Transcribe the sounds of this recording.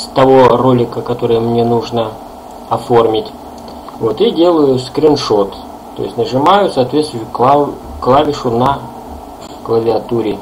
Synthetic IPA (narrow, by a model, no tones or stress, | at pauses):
st̪ɐvoro̞lʲɪkəkɐt̪o̞ɾɨjəmnʲe̞nuʐnə | ɐfo̞rmʲɪtʲ | vo̞t̪idʲe̞lˠəjʊskɾʲɪnʂo̞t̪ | t̪ːo̞̰jɪsʲtʲnəʐɨmajʊsɐːt̪vʲet̪st̪vʲjʊkˠa | klˠavʲɪʂʊnɐ | klˠəvʲɪɐt̪uɾʲɪ